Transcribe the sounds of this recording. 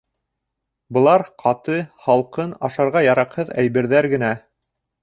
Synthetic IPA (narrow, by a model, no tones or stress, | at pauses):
bɤ̆lˠɑɾqʰɑt̪ɤχɑlˠqɤnɑʃɑɾʁɑjɑɾɑqhɤðæjβɘ̆ɾðæɾɡɘ̆næ